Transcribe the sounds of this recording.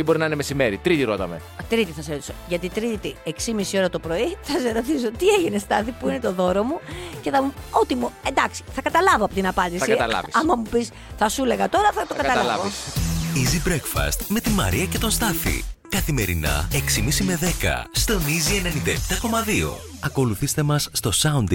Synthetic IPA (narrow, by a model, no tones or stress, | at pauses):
ibo̞ɾinɐinemesime̞ɾit̪ɾit̪iɾo̰t̪ɐmḛ | t̪ɾit̪iθɐseɾo̞t̪i̥so̞ʝɐt̪it̪ɾit̪ieksimisio̞ɾɐt̪o̞pɾo̞iθɐseɾo̞t̪iso̞t̪ie̞ʝinest̪ɐθipuine̞t̪o̞ðo̞ɾo̞muce̞θɐmuo̞t̪imuend̪ɐksi̥θɐkɐt̪ɐlɐvoɐpo̞t̪inɐpɐnd̪isɐiɐt̪ɐlɐ̰visɐmɐmupis | θɐsule̞ɣɐt̪o̞ɾɐθɐt̪okɐt̪ɐlɐlɐ | izibɾekfɐ̰st̪me̞t̪imɐ̰ɾiɐce̞t̪o̞nst̪ɐθḭkɐθime̞ɾḭnɐ̰e̞ksimisime̞ðe̞kɐ̰st̪o̞nizienenind̪ɐept̪ɐko̞mɐðio̞̰ | ɐko̞luθist̪e̞mɐsːt̪o̞sɐund̪